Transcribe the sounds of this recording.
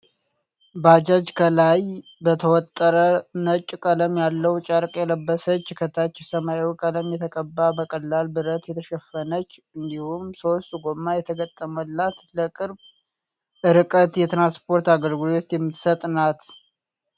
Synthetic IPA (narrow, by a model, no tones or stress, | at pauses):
bad͡ʒad͡ʒkʰəlajbət̪ʰəwɔt̪ʼːəɾənət͡ʃʼːkʼələmjalːəwt͡ʃʼaɾkʼjɛləbːəsət͡ʃːkʰət̪ʰat͡ʃːɪsəmaewkʼələmjɛt̪ʰəkʼəbːabəkʼəlːalbɨɾət̪jɛt̪ʰəʃɛfːənət͡ʃːɨnd̪ihumso̞st̪ʼɡo̞mːajɛt̪ʰəɡət̪ʼːəməlːat̪ləkʼɨɾb | ʔɨɾɨkʼət̪jɛt̪ɾanspʰo̞ɾt̪aɡəlɡɨlo̞t̪jɛmːɨt̪sət̪ʼnat̪